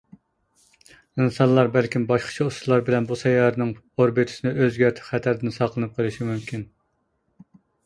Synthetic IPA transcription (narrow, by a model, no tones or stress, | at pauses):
insɑnlˠɑɾbælkʲimbɑʃqʰə̥t͡ʃʰɑuslˠɑɾbɪlɛnbusɛjɑɾnɨŋ | oɾbit̪ʰɨ̥sɨnɪøzɡʲæɾt̪ʰɪ̥χæt̪ʰæɾd̪ɪnsɑqʰlˠɨnɨp̚qʰəlˠɨʃimymkʲʰin